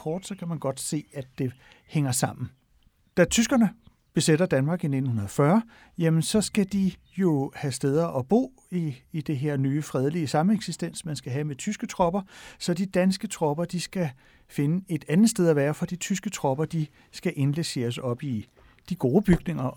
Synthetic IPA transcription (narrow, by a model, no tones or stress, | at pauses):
kʰɒːd̥sɒ̽kʰæmænɡ̥ɒ̽d̥se̝̰ːæ̥ːe̝ | heŋ̰ɐsɑ̈m̰n̩ | d̥æt͡sʰysɡ̥ɐnə | b̥e̝seɾɐd̥ænmɑ̈ːɡ̥ine̝d̥n̩hunɐðˠfɶɐ | jæmənsɒ̽sɡ̥æd̥i | jo̝hæsd̥eð̞ˠɐʔɒ̽b̥o̝̰ː | iːd̥e̝ɦe̝ɐ̰nyːfʁɛð̞ˠliəsɑ̈məeɡ̥sisd̥en̰smænsɡ̥æɦæmet͡sʰysɡ̥ət͡sʰʁɒ̽b̥ɐsɒ̽d̥id̥ænsɡ̥ət͡sʰʁɒ̽b̥ɐd̥isɡ̥æ | fe̝nəe̝d̥ænð̩ˠsd̥eð̞ˠɐʋæːɐfɒ̽d̥it͡sʰysɡ̥ət͡sʰʁɒ̽b̥ɐd̥i | sɡ̥æʔe̝nlese̝̰ːɐsɒ̽b̥i | d̥iɡ̥o̝ːb̥yɡ̥ne̝ŋɐ